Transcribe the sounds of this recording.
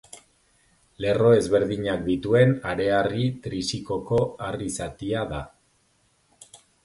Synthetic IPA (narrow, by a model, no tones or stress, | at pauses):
le̞ro̞e̞zβe̞ɾðiɲak̚d̪it̪ue̞naɾe̞arit̪ɾisiko̞ko̞arisat̪iaða